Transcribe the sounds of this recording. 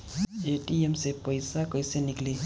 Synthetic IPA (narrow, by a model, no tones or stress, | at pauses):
eʈiemsepɔjsakɔjsenikli